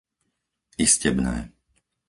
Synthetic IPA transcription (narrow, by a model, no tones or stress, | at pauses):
iscɛbnɛ̰ː